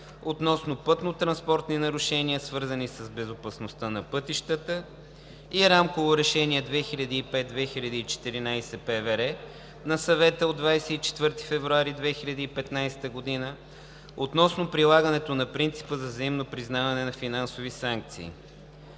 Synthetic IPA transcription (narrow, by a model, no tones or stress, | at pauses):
ot̪nɔsnopɤt̪not̪ɾɐnspɔɾt̪ninɐɾʊʃɛniəsvɤɾzənisəzbɛzopɐsnost̪ənɐpɤt̪iʃt̪ət̪ə | iɾamkovoɾɛʃɛniɛd̪vɛxiʎʲɐd̪iːpɛt̪̚d̪vɛxilʲɐd̪iːt͡ʃɛ̥t̪iɾinajsɛpɛvɛɾɛ | nɐsɐvɛt̪əod̪ːvajsɛit͡ʃɛ̥t̪vɤɾt̪i̥fɛvɾuaɾid̪vɛxiʎʲɐd̪iːpɛt̪najst̪əɡod̪inə | ot̪nɔsnopɾilˠaɡənɛt̪onɐpɾint̪si̥pəzɐzəimnopɾiznavɐnɛnɐfinansovisaŋk̚t̪sḭː